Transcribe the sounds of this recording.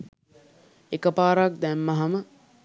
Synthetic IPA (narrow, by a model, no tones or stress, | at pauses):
ekəpaːɾak̚d̪æmːɐɦɐmə